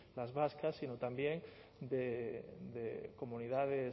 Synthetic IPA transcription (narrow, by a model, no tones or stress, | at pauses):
lazβaskasːinot̪ambjeŋ | d̪ed̪eko̞mũniðaðe